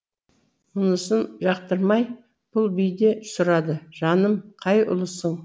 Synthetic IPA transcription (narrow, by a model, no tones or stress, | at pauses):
ʊnˠəsənʒɑq̚t̪əɾmɑj | b̥ʊlˠbijd̪e̞sʊɾɑd̪əʒ̥ɑnəmqʰɑjʔʊ̰lˠəsəɴ